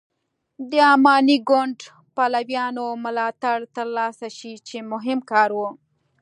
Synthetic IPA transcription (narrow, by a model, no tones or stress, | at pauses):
d̪əɑmɑniɡʊɳɖ | palawjɑnomʊlɑt̪aɽt̪əɾlɑsaʃit͡ʃemʊɦɪmkɑɾwu